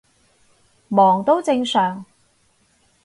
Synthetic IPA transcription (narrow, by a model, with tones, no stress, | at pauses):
mɔː˨˩ŋt̪o˥wt͡sɪ˧ŋsœː˨˩ŋ